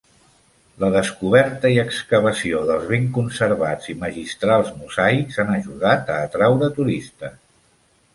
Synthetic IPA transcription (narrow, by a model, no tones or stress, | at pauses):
ləðəskuβ̞ɛɾt̪əiəkskəβəsioðəlˠzβeŋkunsəɾβad͡ziməʒist̪ɾalˠzmuzaikzanəʒuðat̪əːt̪ɾawɾət̪uɾist̪ə